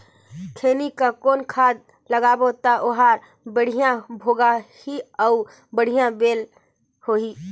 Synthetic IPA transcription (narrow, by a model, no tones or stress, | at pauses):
kʰeːnikakoːnkʰaːd̪̚ | ləɡaːbot̪aʔʊɦaːɾ | bəɽ̤ijãbʱoːɡahiɔʊ | bəɽ̤ijãbeːl | hoːɦiː